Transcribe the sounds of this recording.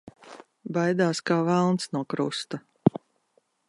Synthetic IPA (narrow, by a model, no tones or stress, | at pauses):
bajd̪aːskaːvælˠnsnuɔkɾust̪a